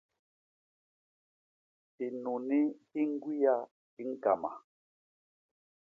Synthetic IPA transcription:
ti˨nu˨ni˦hi˦ŋ˦ɡwi˦ja˦ | i˦ŋ̩˦ka̰˨ma̰˨

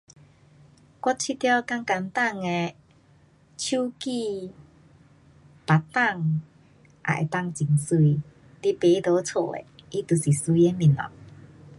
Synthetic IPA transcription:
kwɔ˦˥t̚t͡ɕʰi˦t̪ja˧˦ka˧ŋka˧nt̪a˥˧ŋe˧ | t͡ɕʰu˦ki˥˧ | pa˨t̪a˥˧ŋ | ʔa̰˨ʔḛ˨˩t̪a˥˧ŋt͡ɕi˨˩ŋsu˧i | t̪i˦pe˨˧˦d̪o˧˦t͡sʰo̰˧˩ḛ˨i˦t̪u˨˩si˨˩su˧˦i˧e˧˦mĩ˨˩nɔ̰˨˩ŋ̚

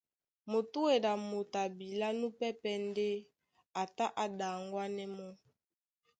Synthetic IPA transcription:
mo˨tu˦we˨da˨mo˨ta˨bi˨la˦nu˦pɛ˦pɛ˦nde˦ | a˨ta˦ʔa˨da˨ŋɡwa˦nɛ˦mɔ˦

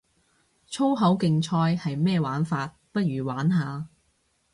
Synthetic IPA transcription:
t͡ʃʰo˥wɦɐ˨˥wkɪ˧ŋt͡ʃʰɔː˧jhɐ˨jmɛː˥˧waː˨˥nfaː˧t̚pɐ˥t̚ɥyː˨˩waː˨˥nɦaː˨˧

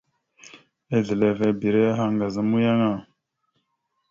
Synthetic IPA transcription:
e˦ɮi˨le˨ve˨bi˨ɾe˦ja˦ɦa˦ŋɡa˨za˦mu˦ja˦ŋa˦˨

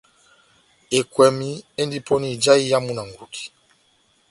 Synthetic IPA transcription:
e˨kwɛ˨mi˦e˦ndi˦pɔ˦ni˦˨d͡ʒa˦i˦ja˦mu˦na˨ŋ˨ɡu˨ki̥˨

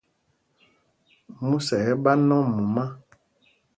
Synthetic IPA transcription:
mu˦sɛ˨˦ba˦nɔ̃˦mu˨ma˦

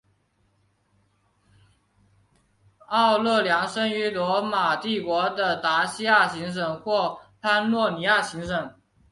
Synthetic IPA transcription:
ɑ˥˧ʊlɤ˥˩ljɑ˧˥ŋʂə˥ŋy˧˥lwɔ˧˥ma˨˩t̪i˥˩kwɔ˧˥d̪ə˨t̪a˧˥ɕi˥ja˥˩ɕi˧˥ŋʂ̬ɤ˨˩ŋxwɔ˥˩pʰa˥nlwɔ˥˩ni˧˥ja˥˩ɕi˧˥ŋʂ̬ɤ˨˩˦ŋ

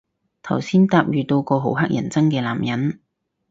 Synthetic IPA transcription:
t̪ʰɐ˨˩wsiː˥nt̪aː˧p̚jyː˨t̪o˧wkɔː˧ɦo˨˥wɦa˥k̚jɐ̰˨˩nt͡sɐ˥ŋkɛː˧la̰ː˨˩mjɐ˨˥n

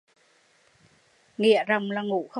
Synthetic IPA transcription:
ŋḭ˧˨əzə˨˩wŋ͡mlaː˨˩ŋṵ˧˩˨xə˧

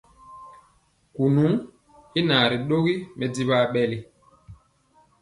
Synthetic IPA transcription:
ku˨nu˨˦ | i˦na˨ɾi˨ɗo˦ɣi˦mɛ˨di˦ɓa˦ɓɛ˦li˨

